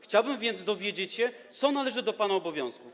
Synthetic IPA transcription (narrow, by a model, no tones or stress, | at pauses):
xt͡ɕawbɘmvʲjɛnd̪zd̪ɔvʲjed͡ʑet͡ɕɕɛt̪sɔnalɛʐɘd̪ɔpanaɔbɔvʲjɔ̃w̃skuf